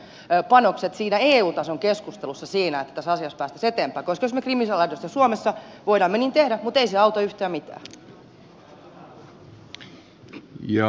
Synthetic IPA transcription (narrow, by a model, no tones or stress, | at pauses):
pɑnokset̪siːnæeːuːt̪ɑsoŋkeskust̪elusːɑsiːnæet̪ːæ̥t̪æsɑsiɑspæːst̪æ̥set̪eːmpæːkoskɑjosmekrimisɑlɑdost̪ɑsuomesːɑʋoidɑːmːeniːnt̪ehdæmut̪eiseɑut̪oyht̪æːmit̪æ̰ː | jɑ